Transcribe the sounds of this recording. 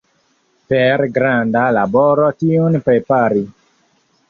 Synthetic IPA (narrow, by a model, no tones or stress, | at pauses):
peɾɡɾandalabɔɾotionpɾepaɾi